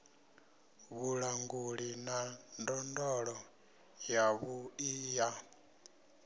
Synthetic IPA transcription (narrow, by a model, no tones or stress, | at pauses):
βuɺaŋɡuɺinandɔndɔɺɔ | jaβuija